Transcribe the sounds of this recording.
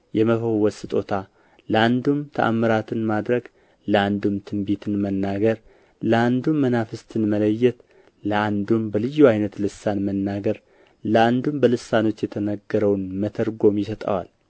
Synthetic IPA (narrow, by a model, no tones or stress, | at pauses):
jɛməfəwɔsɨt̪ʼo̞t̪ʰa | ləand̪umt̪ʰəʔa̰mːəɾat̪ʰɨnmad̪ɾəɡ | ləand̪umt̪ʰɨmbit̪ʰɨnmənːaɡəɾ | ləand̪umːənafɨst̪ʰɨnmələjːɛt̪ | ləand̪umbəlɨjːuajnət̪lɨsːanmənːaɡəɾ | ləand̪umbəlɨsːano̞t͡ʃːjɛt̪ʰənəɡːəɾəwnmət̪ʰəɾɡo̞mjɪsət̪ʼə̰wa̰l